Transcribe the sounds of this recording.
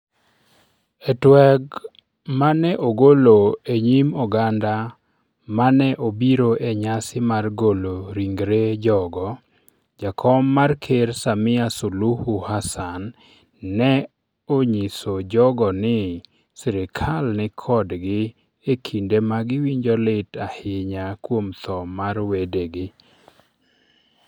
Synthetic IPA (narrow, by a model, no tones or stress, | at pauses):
ɛtwɛɡ | manɛʔoɡoloeɲimɔɡanda | manɛʔobiɾoʔeɲasɪmarɡoloɾiŋɡɾed͡ʒɔɡɔ | d͡ʒakʰɔmːarkʰersamɪasuluhuhasanː | ɛ | oɲisod͡ʒɔɡɔnɪ | sɛɾɪkʰalnɪkʰɔdɡɪ | ekʰindemaɡɪwiɲd͡ʒɔlɪtahɪɲakwomt̪ɔmarwedeɡɪ